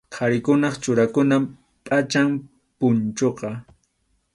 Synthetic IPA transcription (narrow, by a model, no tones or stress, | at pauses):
qʰɑɾɪkʊnɑχt͡ʃʊɾakʊnam | pʼat͡ʃam | pʊnt͡ʃoqɑ